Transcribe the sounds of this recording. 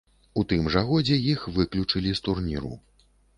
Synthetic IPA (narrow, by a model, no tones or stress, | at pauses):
ut̪ɨmʐaɣɔd͡zʲɛjixvɨklʲut͡ʂɨlʲist̪urnʲḭɾṵ